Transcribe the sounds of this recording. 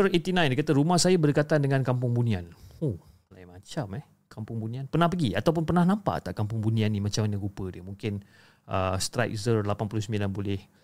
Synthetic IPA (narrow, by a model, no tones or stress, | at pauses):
ərit̪inãj̃ndajkat̪əɾumahsajabərdəkat̪andəŋãnkamp̬ʊŋbunianoh | lajmat͡ʃamɛ | kampʊŋbunianpərnahpəɡiat̪awp̬ʊnpərnahnãmpa̰ʔt̪aʔkampʊŋbunianːimat͡ʃamanə̃ɡupədiəmuŋkɪn | ʔə̰st̪ɾa̰jk̚zərlapanpulʊhsəmilanbolɛh